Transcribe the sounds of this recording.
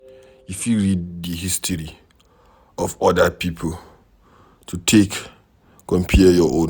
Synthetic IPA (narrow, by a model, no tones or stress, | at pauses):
ifjuɹiddiɦistʰɔɹi | ɔvɔdəpipʰol | tʰutʰek | kɔ̃mpʰiəjɔʔõn